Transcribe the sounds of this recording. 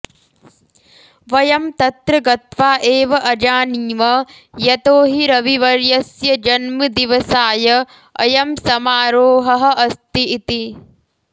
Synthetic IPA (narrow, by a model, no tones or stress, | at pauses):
ʋɐjɐmt̪ɐt̪ɾɐɡɐt̪ʋaːʔeːʋɐʔɐd͡ʒaːniːmɐ | jɐt̪oːɦiɾɐʋiʋɐɾjɐsjɐd͡ʒɐnmɐd̪iʋɐsaːjɐ | ɐ̰jɐmsɐmaːɾoːɦɐɦɐ̆ʔɐst̪iːt̪i